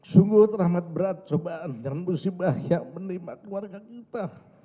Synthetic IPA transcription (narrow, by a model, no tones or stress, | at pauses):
suŋɡʊht̪rahmat̪̚bəɾat̪̚t͡ʃobaʔanjanmusibahjaʔmənimaʔkəluwarɡakit̪ah